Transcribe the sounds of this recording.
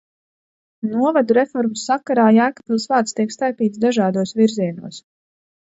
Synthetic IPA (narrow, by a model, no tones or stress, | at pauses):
nuɔvad̪uɾefɔɾmusːakːaɾaːjaːkḁpilˠsvaːt̪st̪iɛkst̪ajpiːt̪sd̪aʒaːd̪uɔsʋiɾziɛnṵɔs